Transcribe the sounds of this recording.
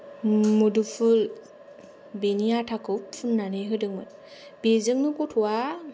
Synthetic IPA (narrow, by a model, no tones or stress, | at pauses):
mudupʰul | benijatʰakɯwpʰːunːanɯjɦɯdɯŋmɯt | b̥ezɯŋnɯkutʰuwa